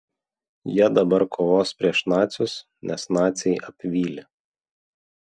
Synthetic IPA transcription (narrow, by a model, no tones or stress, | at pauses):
jiɛd̪ɐbɐɾkʰoːʋoːspʲɾʲiɛʃnɑːt̪sʲʊs | nʲɛsnɑːt̪ʲsʲɛɪʔɐpʲʋʲiːlʲɪ